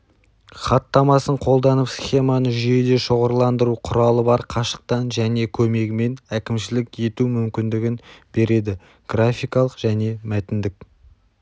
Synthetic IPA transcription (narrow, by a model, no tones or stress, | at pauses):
χɑt̪ːɑmɑsəɴqʰo̞lˠd̪ɑnəpsχʲe̞mɑnəʒʏje̞d̪e̞ʃoʁəɾlˠɑnd̪əɾuqʰʊɾɑlˠəbɑɾqʰɑʃə̥q̚t̪ɑnʒæne̞kʲʰɵme̞ɡʲɪme̞nækʲɪmʃɪlɪke̞t̪umʏmkʲɪnd̪ɪɡʲɪnbe̞ɾe̞d̪ɪ | ɡ̥rafʲijkɑlˠəqʒ̥æne̞mæt̪ɪnd̪ɪk̚ʲ